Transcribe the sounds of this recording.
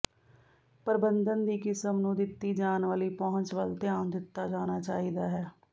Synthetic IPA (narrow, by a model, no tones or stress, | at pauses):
pəɾbənd̪ənd̪iːkɪsəmnũːd̪ɪt̪ːiːd͡ʒaːnʋaːliːpɔɦʊ̃ɲt͡ʃʋəlt̪ɪaːnd̪ɪt̪ːaːd͡ʒaːnaːt͡ʃaːɦid̪aːɦɛː